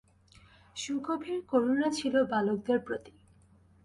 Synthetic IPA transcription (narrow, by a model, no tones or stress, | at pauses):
ʃukobʱiɾkoɾunat͡ɕʰilobalok̚d̪eɾpɾot̪i̥